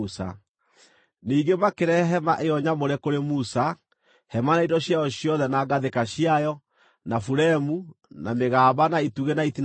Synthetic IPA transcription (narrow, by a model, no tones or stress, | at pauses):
sa̰ | niːɡemakeɾɛɦɛmaʔeɔɲamoɾɛkoɾemusa | hɛmanaidɔɕjajɔɕjɔðɛnaɡaðekaɕiajɔ | nafuɾɛmunameɣaːβanaituɣenaitin